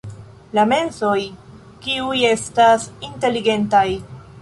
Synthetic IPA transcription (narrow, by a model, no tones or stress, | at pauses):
lame̞nso̞j | kiuje̞stasinte̞liɡe̞ntaj